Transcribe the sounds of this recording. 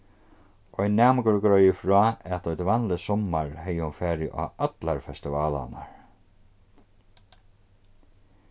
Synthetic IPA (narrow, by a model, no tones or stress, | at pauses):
ɔjnaːmkʏɾkɾɔjɪfɾɔːɛt̪ɔjt̪vanlɪsɔmːaɹhɛjːɪhʊnfɛːɾɪʔa̰œt̪laɹfɛst̪ɪvaːla̰naɹ